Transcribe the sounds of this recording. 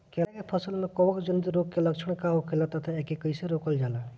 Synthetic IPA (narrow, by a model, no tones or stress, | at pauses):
kɛlakepʰəsəlmẽkɔʋəkd͡ʒənd̪iɾokkeləkt͡ʃʰəɽ̃kaɦokʰelat̪ət̪ʰaekekəɪseɾoːkəld͡ʒaːla